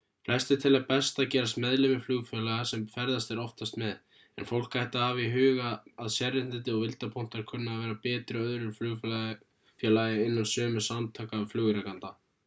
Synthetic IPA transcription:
flɛ̥st̪ɪt̪ʰɪlapɛst̪acɛːɾast̪mɛðlɪmɪflʏːɣfjɛlaɣasɛmfɛɾðast̪ɛɾɔft̪ast̪mɛð | ɛ̰nfowl̥kajht̪ɪaaviɦʏːɣaaðsjɛrːɪn̥t̪ɪnt̪̬ɪɔɣvɪlt̪apʰɔn̥t̪aɾ̥kʰʏnːaaːvɛːɾapɛːt̪ɾɪœðɾʏɾflʏːɣ | fjɛːlajɪɪnːalsœːmʏsamt̪ʰœːkaːvflʏːɣʏɾakant̪a

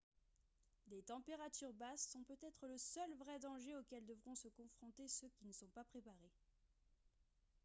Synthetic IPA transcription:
d̪et̪ɑ̃peʁat̪yʁbasːɔ̃pøt̪ɛt̪χələsœlvʁɛd̪ɑ̃ʒeokʲɛld̪əvʁɔ̃səkɔ̃fχɔ̃t̪esøkʲinəsɔ̃papχepaʁe

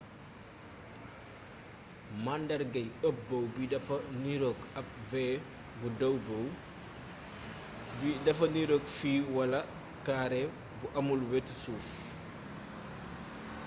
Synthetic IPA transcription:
mandɐrɡɐjəp̚bɐwbidɐfɐniɾokɐp̚vɛː | budɐwbɐw | bidɐfɐniɾokfiːwɐlɐ | kaɾɛ | buʔɐmulwetsuːs

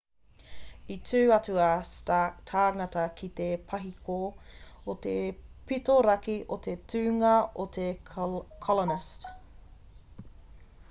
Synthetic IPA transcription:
itʰʉːɐt͡suɐstatʰaːŋɐtɐkʰit̪epʰɐɦikʰoot̪epitoɾɐkiʔot̪etʰʉːŋɐot̪ʰekʰɔlonɪst

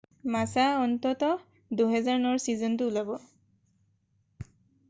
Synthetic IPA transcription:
masaɔntɔtɔ | duɦɛzaɹnɔɹsizɔntʊulabɔ

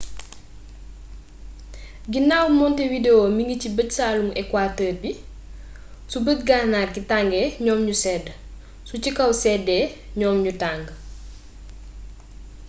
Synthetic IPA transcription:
ɡinawmɔntewideomiŋɡicibətsaːlumɛkwaːtəːrbi | subətɡaːnaːrɡitaŋɡɛːɲɔːmɲusɛːd | sucikɐwsɛːdɛːɲɔːmɲutaːŋɡ

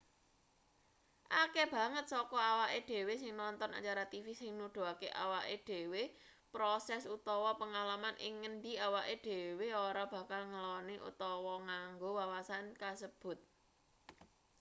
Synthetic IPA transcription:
ʔakeb̥ä̤ŋət̪̚sɔkɔawaʔeɖ̪̥e̤wesɪŋnɔnt̪ɔna̰t͡ʃaɾat̪ifisɪŋnuɖ̪̥o̤akeʔawaʔeɖ̪̥e̤we | pɾɔsɛsut̪ɔwɔpəŋalamanʔɪ̰ŋːənɖiawaʔeɖ̪̥e̤weoɾab̥ä̤kalŋəlɔniʔṵt̪ɔwɔŋaŋɡowawasankasəb̥ʊ̤t̪̚

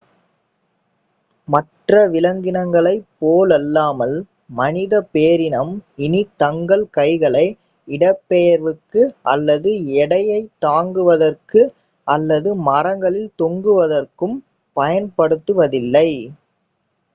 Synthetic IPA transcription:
mɐʈrɐʋɪlɐŋɡɪnɐŋɡɐɭɐɪpːoːlɐlːaːmɐl | mɐnɪðɐpeːɾɪnɐmɪnit̪ɐŋɡɐɭkɐɪɣɐɭɐɪ | ɪɽɐpːɛjɐɾʋɯkːɯʔɐ̰lːɐðɯɛɽɐjɐɪt̪ːaːŋɡɯʋɐðɐrkɯ | ʔɐlːɐðɯmɐɾɐŋɡɐɭɪlt̪ɔŋɡɯʋɐðɐrkɯm | pɐjɐnpɐɽɯt̪ːɯʋɐðɪlːɐɪ

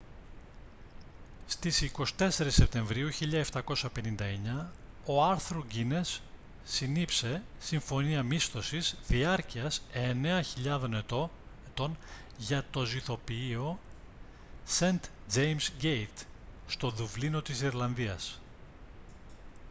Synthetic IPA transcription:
st̪isiko̞si̥t̪e̞se̞ɾisːep̚t̪e̞ɱvɾiuçiʎɐeft̪ɐko̞sɐpe̞nind̪ɐe̞ɲɐ | oɐɾθɾoɟine̞sː | inipse̞siɱfo̞niɐmist̪o̞sizðiɐɾciɐseneɐçiʎɐðo̞ne̞t̪oet̪o̞n | ʝɐt̪o̞ziθo̞piio̞ | se̞nt̪ | d͡ʒejmsɡejt̪st̪o̞ðuvlino̞t̪isiɾlɐnðiɐ̰s

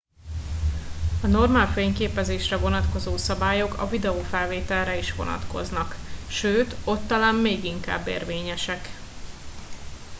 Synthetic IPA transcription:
ɒno̞rmaːlfeːɲkeːpɛzeːʃrɛvo̞nɒt̪ko̞zoːsɒbaːjo̞kʰɒ̰vid̪ɛoːfɛlveːt̪ɛlrɛiʃʋo̞̰nɒ̰t̪ko̞̰znɒkʃøːt̪o̞t̪ːɒlaːmmeːɡiŋka̰ːbːḛːrveːɲɛʃɛk

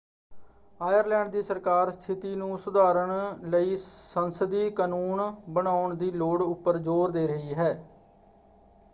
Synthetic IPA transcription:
aːjəɾlɛ̃ːɳɖ̚d̪iːsəɾkaːɾst̪ʰɪt̪iːnũːsʊd̪aːɾəɳləiːsənsəd̪iːkanuːɳbəɳaːʊɳd̪iːloːɽʊpːəɾd͡ʒoːɾd̪eːɾəɦiːɦɛː

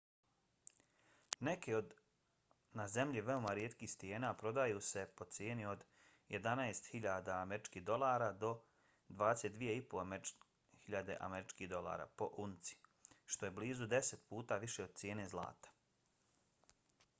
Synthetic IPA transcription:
ne̞ke̞o̞d̪ | naze̞mʎiʋe̞o̞maɾjet̪kiːhst̪ije̞ːnaːpɾo̞d̪ajuːse̞po̞t̪sjeːnio̞d̪ | je̞d̪anaest̪hiʎaːd̪aːmeɾit͡ʃkiɦd̪o̞lˠaːɾaːd̪o̞ | d̪ʋaːd̪eset̪̚d̪ʋije̞ipo | hiʎad̪e̞̰ʔa̰meɾit͡ʃkiːhd̪o̞lˠa̰ɾa̰ːpo̞ʔunt̪si̥ʃt̪o̞jebliːzud̪e̞set̪̚puːt̪aːʋiʃe̞od̪̚t̪sjeːne̞ːzlˠa̰ːt̪ḁ

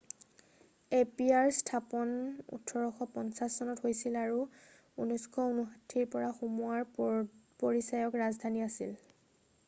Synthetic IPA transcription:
epiaɹstʰapɔnṵtʰːɔɹɔxɔpɔnsasːɔnɔtɦojsilaɹu | unɔjskʰɔunuɦatʰːiɹpɔɹaxumuaɹpoɹisajɔkɹazdʱaniasḭl

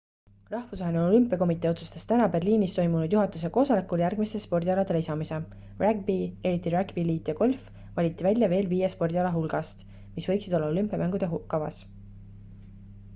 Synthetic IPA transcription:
rɑhvusvɑɦeneo̞lympːˑiɑko̞mit̪ːˑeo̞t̪su̥st̪est̪ænɑbe̞rliːnist̪o̞jmunud̪̥juɦɑt̪ːˑus̬e̞ko̞ːsɑlækˑuljærɡ̥mist̪espo̞rd̪ʲiɑlɑd̪e̞leisɑmise̞ | ræɡ̚bie̞ɾit̪ːˑiræɡbiliːt̪ˑjɑɡ̥o̞lʲf | vɑlʲit̪ːˑivælʲjɑve̞ːlviːjespo̞rd̪ʲiɑlɑɦulɡ̥ɑst̪ | misvɤ̞jksid̪̥o̞lːɑo̞lympˑiɑmæŋɡ̥ud̪̥e̞kːɑvɑ̰s

